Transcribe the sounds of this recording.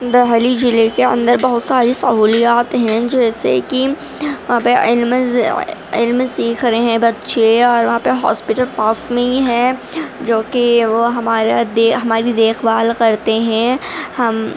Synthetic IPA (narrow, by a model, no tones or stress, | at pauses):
d̪ɐɦəlid͡ʒɪlekeɐ̰̃nd̪əɾbɐɦʊt̪saːɾisɐɦuːlijaːt̪ɦɛ̃d͡ʒɛːsḛki | ʋɐɦãːpeɪlm | ɪ̰lmsiːkʰɾɐeɦɛ̃bɐd̪ʃeɔːɾʋɐɦãːpeɦa̰ːspɪʈəlpaːsmẽiɦɛ̃ | d͡ʒoːkeʋoɦɐmaːɾad̪eɦɐmaːɾid̪eːxbaːlkɐɾt̪eɦɛ̃hɐm